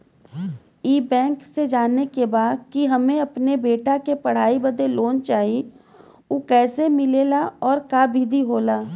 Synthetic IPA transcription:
iːbɛ̃ːŋksed͡ʒaːnːekebaːd̪̚kiɦɐmẽɐpnebeːʈakepɐɽ̤aːibɐd̪eloːnt͡ʃaːɦi | okɛːsemɪleːlaɔːɾkaːbʱid̪ʱiɦoːlaː

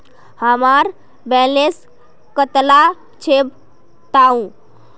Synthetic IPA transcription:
hamaɾ | bɛles | kət̪la | t͡ʃʰeb | t̪aũ

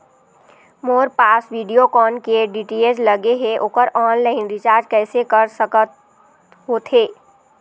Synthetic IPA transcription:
moːɾpaːsʋiːɖijokɔːnkeɖiːʈied͡ʒlɐɡeɦɛʔoːkəɾɔːnlaːɪnɾɪt͡ʃaːɾd͡ʒkɛːsekɐɾsəkət̪ | ɦoːt̪ɦeː

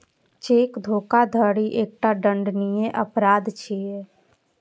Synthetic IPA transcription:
t͡ʃeːkd̪ʱoːkad̪ʱəɽiʔeːk̚ʈaɖəɳɖnijeʔəpɾaːd̪t͡ʃʰie

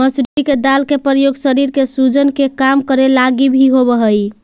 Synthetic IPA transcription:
məsɾuiked̪alkepɾəjoɡsəɾiɾkesud͡ʒənkekamkəɾelaɡibʱiɦobəɦəj

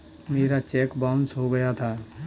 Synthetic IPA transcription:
meːɾat͡ʃɛːkbaʊ̃nsɦoɡɐjat̪ʰaː

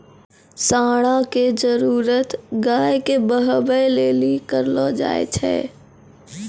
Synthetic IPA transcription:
saːɽ̃aked͡ʒəɾuːɾət̪ɡaːjkebəɦbəjleːlikəɾlɔːd͡ʒa̰ːḛt͡ʃʰɛ̰ː

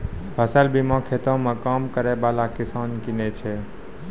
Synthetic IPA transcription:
bʱəsəlbimãkʰet̪õmãkaːmkəɾebaːlakɪsaːnkɪnet͡ʃʰe

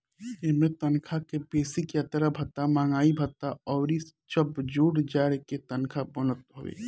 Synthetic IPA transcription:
emẽt̪ɐnkʰakepeːsikjat̪ɾabʱɐt̪ːamaːŋaːibʱɐt̪ːaɔːɾit͡ʃəbd͡ʒuːɽd͡ʒaːɾeket̪ɐnkʰabonət̪̚ɦoʋḛː

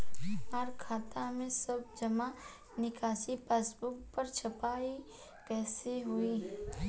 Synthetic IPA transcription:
aɾkʰaːt̪amẽsɐbd͡ʒɐma | nɪkʰaːsipeːsbʊkpɐɾt͡ʃʰɐpaːi | kɛːseɦʊiː

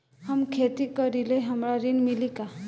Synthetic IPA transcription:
ɦəmkʰet̪ikʌɾileɦəmɾaɾinmilika

